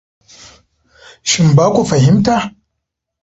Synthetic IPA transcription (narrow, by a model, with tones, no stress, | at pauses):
ʃi˨mbaː˦kʷu˨fa˨ɦɪ˦mta˦˨